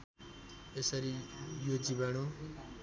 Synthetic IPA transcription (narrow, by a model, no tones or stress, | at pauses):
esʌɾijod͡ziβano